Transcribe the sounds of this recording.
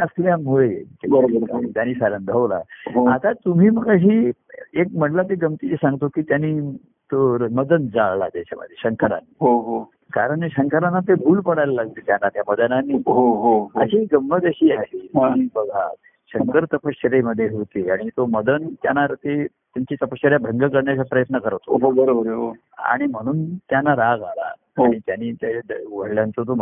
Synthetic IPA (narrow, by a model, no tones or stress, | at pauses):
əsljamuɭetebəɾət̪aniːsaɾənd̪ʱəʋla̰ɦoat̪at̪um̤iːməɡəɦiːek̚m̤əɳlat̪eɡəmt̪it͡ɕesãŋɡt̪okiːt̪janiː | t̪oɾməd̪ənd͡zaɭla̰t̪at͡ɕa̰mə̰d̪ʱjeɕəŋkəɾa̰nɦoɦo | kaɾəɳɕəŋkəɾanːat̪ebʱuːlpəɽajlalaɡ̚t̪et̪janːat̪jaməd̪ənanːiːɦoɦoɦəɕiːɡəmːəd̪eɕiːaɦeibəɡʱa | ɕəŋkəɾt̪əpəɕəɾeməd̪ʱːjeɦot̪iːaɽ̃it̪oməd̪ənt̪janaɾt̪e | t̪jaɲt͡ɕiːt̪əpəɕəɾjabʱəŋɡəkəɾɳjat͡sapɾəjət̪nəkəɾət̪ʰoɦobəɾobəɾɦo | a̰ɽ̃im̤əɽ̃uːnt̪janːaɾaɡala̰ | ɽ̃it̪janiːt̪aɡʱəɽljant͡sot̪o